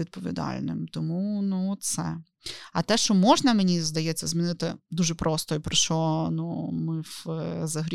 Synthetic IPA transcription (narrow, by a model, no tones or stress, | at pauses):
id̪̚pɔʋʲḭd̪ɑ̰lʲnɪ̰mt̪ɔmunutt̪sɛ | ɐt̪ɛʃt͡ʃɔmɔʒnɐmenʲizd̪ɐjɛt͡sʲːɐzmʲinɪt̪ɪd̪uʒɛpɾʔɔst̪ɔipɾɪʃt͡ʃɔnumɪfzɐɦɾʲ